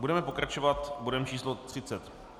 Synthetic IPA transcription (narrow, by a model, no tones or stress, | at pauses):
budɛmɛpo̞kɾat͡ʃovat̪budɛmt͡ʃiːslot̪r̥ɪt͡sɛt̪